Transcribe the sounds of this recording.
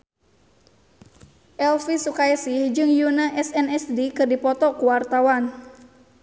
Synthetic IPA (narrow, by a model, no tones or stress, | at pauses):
ʔɛlfisukajɛsihd͡ʒɨŋjunaʔɛsɛnɛsdikɨrdipɔt̪ɔkuwart̪awan